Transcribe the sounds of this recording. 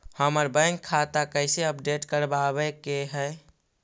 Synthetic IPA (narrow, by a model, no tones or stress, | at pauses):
həməɾbə̃ŋkʰːat̪akəɪseəp̚ɖeːʈkəɾbabekeɦɛ